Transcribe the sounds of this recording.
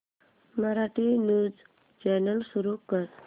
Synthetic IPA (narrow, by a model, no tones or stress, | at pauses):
məɾaʈinud͡z | t͡ʃɛnəlsuɾukəɾ